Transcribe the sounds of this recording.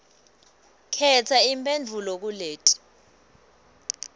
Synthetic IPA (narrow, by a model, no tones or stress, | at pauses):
kʰɛtʰaimpʼend͡vʱulok̬uleːtʼi̥